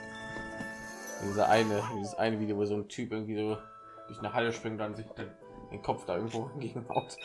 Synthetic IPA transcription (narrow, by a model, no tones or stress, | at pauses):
diːzəʔa̰ɪnəd̥iːzəsʔa̰ɪnəviːdəjovoːzoːntʰyːpʔɪɐɡŋ̩tv̥iːzoː | d̥ɪçnəɐhaləʃpʁ̥ɪŋdanzɪçd̥an | d̥ḛːnkʰɔpfd̥aːɪɐɡŋ̩tvoːʁanɡeːŋ̩ba̰ʊt